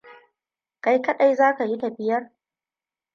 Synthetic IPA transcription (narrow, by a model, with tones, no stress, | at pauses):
ka˦jkɐ˦ɗa˦˨jzaː˦ka˨ji˦da˨bɪ˦jɐ˦r